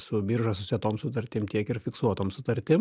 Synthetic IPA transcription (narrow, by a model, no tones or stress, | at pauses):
sʊbʲiːɾʒɐsʊsʲiɛt̪oːmsʊt̪ɐɾʲt̪ʲɪmt̪ʲiɛkɪɾfʲɪksuɔt̪oːmsʊt̪ɐɾʲt̪ʲɪm